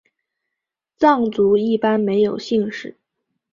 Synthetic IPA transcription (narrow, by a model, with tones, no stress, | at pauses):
t͡sɑ˥˩ŋt͡su˧˥i˥˩pa˥nme˧˥ɪjo˨˩ʊɕi˥˧ŋʂɻ̩˨˩˦